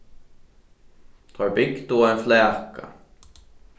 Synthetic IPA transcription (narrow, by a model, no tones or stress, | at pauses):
t̪ʰaɹbɪɡt̪ʊajnflɛːka̰